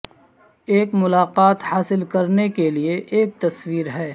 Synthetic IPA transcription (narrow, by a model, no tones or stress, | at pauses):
eːkmʊlaːqaːt̪haːsɪlkɐɾnekelieʔeːk̚t̪ɐswiːɾɦɛː